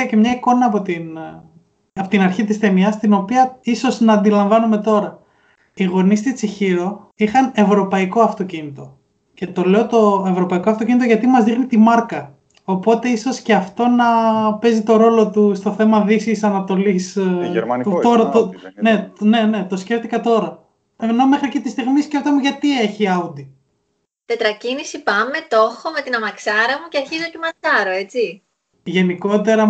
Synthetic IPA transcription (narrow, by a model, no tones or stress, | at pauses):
ɐce̞mɲɐiko̞nɐːpo̞t̪in | ɐpot̪inɐɾçit̪ist̪e̞miɐst̪ino̞piɐiso̞znɐːnd̪ilɐɱvɐnume̞t̪o̞ɾɐ | iɣo̞nist̪it͡siçiɾo̞ | ixɐne̞vɾo̞pɐiko̞ɐft̪o̞cinit̪o̞ | ce̞t̪o̞le̞o̞t̪o̞e̞vɾo̞pɐiko̞ɐft̪ocinit̪o̞ʝɐt̪imɐzðixnit̪imɐɾkɐ | o̞po̞t̪e̞iso̞sceɐft̪o̞nɐpe̞zit̪o̞ɾo̞lo̞t̪ust̪o̞θe̞mɐðisisɐnɐt̪o̞lis | ut̪oɾɐt̪one̞ne̞ne̞t̪o̞sce̞ft̪ikɐt̪o̞ɾɐ | eno̞me̞xɾiɐkit̪ist̪iɣmisceft̪ɐmuʝɐt̪ieçiɐud̪i | t̪e̞t̪ɾɐcinisipɐme̞t̪o̞xo̞me̞t̪inɐmɐksɐɾɐmuceɐɾçizocemɐsɐɾoe̞t͡si | ʝe̞niko̞t̪e̞ɾɐ